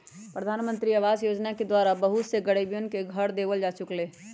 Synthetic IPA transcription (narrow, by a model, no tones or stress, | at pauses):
pɾəd̪ʱaːnmə̃nt̪ɾiɐʋaːzjoːd͡ʒnaked̪waːɾabəɦʊt̪seɡəɽebijʊnkeɡʱəɾd̪eːʋəld͡ʒaːt͡ʃʊkleː